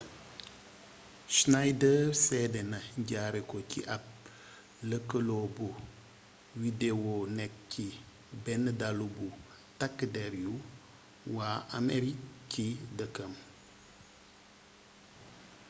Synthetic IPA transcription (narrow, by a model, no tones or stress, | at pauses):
ʃnajdəsɛdenaɲɟaɾekociʔap̚ | ləkəlobo | widewonɛk̚ki | bɛnədalubu | takːədeɾiu | waːʔa̰meɾikidəkəm